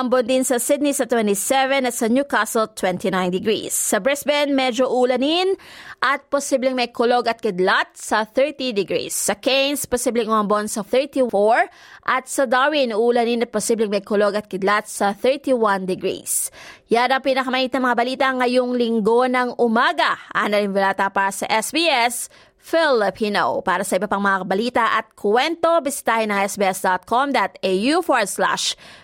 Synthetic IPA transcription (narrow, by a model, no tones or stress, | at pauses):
ʔɐmbond̪ɪnsɐsɪd̪̚nisɐt̪wɛnt̪isɛvɛnɐt̪sɐnjukasɐlt̪wɛnt̪inãjnd̪ɪɡɾḭsːɐbɹɛsbɛnmɛd͡ʒoʔuːlɐninʔɐt̪̚posiblɛŋmɐjkoloɡɐt̪̚kɪd̪lat̪̚sɐθɛɹt̪id̪ɪɡɾḭsːɐkejnsposiblɛŋoɐmbonsɐθɛɹt̪ifoɹ | ʔɐt̪̚sɐd̪awinuːlɐninɐt̪̚posiblɛŋmɐjkoloɡɐt̪̚kɪd̪lat̪̚sɐθɛɹt̪iwand̪ɪɡɾḭsjad̪ɐpinɐkɐmɐhiːt̪nɐŋmɐŋabɐliːt̪ɐŋɐjoŋlɪŋɡo̞nɐŋʔʊmaːɡɐʔɐ̰ŋnɐlɪmbɛlaːt̪ɐpaːɾɐsɐʔɛsbiɛs | fɪlɪpʰiːno̰paːɾɐsɐʔɪbɐpaŋmɐŋaɐbɐliːt̪ɐʔɐt̪̚kʰwɛnt̪o̞bɪsɪ̥t̪aːhɪnːɐŋʔɛsbiːɛsd̪ot̪̚kʰomd̪at̪ejufoɹsla̰ʃ